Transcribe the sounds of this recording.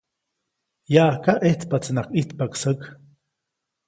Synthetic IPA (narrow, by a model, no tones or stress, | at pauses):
jaʔkaʔet͡s̪pat͡snaqʼit̪paksək